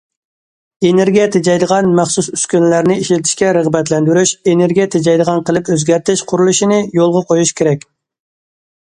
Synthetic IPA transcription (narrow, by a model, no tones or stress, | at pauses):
eneɾɡʲijɛt̪ʰed͡ʒɑjd̪əʁɑnmæχsusyskʲynlæɾnɪiʃlɪt̪ʰɪ̥ʃkʲɛɾəʁbɛt̪lɛnd̪yɾyʃeneɾɡʲijɛt̪ʰed͡ʒɑjd̪əʁɑnqʰəlˠɨpøzɡʲæɾt̪ʰɪʃqʰʊɾulˠuʃinɪjolˠʁɑqʰojuʃkʲʰeɾɛk̚ʲ